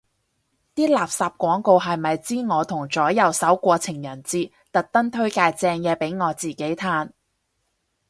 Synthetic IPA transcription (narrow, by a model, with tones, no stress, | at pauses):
t̪iː˥laː˨psaː˨p̚kʷɔː˨˥ŋko˧wɦɐ˨jmɐ˨jt͡siː˥ŋɔː˨˧t̪ʰʊ˨˩ŋt͡ʃɔː˨˥jɐ˨˧wsɐ˨˥wkʷɔː˧t͡sʰɪ˨˩ŋjɐ˨˩nt͡siː˧ | t̪ɐ˨k̚t̪ɐ˥ŋt̪ʰɵ˥ɥkaː˧jt͡sɛː˧ŋjɛː˧pe˨˥jŋɔː˨˧t͡siː˨ke˨˥jt̪ʰaː˥n